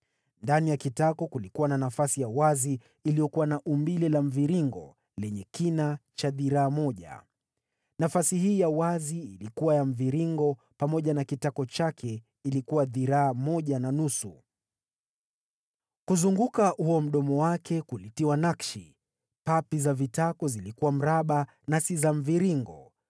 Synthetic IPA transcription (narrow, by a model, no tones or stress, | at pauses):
ndanijakitakɔkulikuwananafasijawaziː | lijɔkuwanaʔumbilɛlam̩viɾiŋɡɔ̰ | lɛɲɛkinat͡ʃaðiɾaːmɔʄa̰ | nafasihiːjawaziːlikuwajam̩viɾiŋɡɔ | pamɔʄanakitakɔt͡ʃakʰɛ | ilikuwaðiɾaːmɔʄananusu | kuzuŋɡukahuɔm̩ɗɔmɔwakʰɛkulitiwanakʃi | papizavitakɔzilikuwam̩ɾaɓa | nasizaɱ̩viɾiŋɡɔ̰